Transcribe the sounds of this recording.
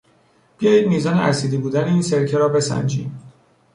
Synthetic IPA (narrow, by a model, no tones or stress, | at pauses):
b̥ijɒːjiːd̪miːzɒːneæ̰ɾsiːd̪ibuːd̪æneiːnseɾcʰeɾɒːbe̞sæ̰nd͡ʒḭːd̪